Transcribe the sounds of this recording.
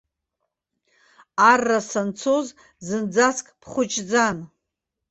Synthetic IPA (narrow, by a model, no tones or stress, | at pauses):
arːasant͡sʰo̞z | zɨnd͡zaskʼpʰχʷʊt͡ʃʼd͡zan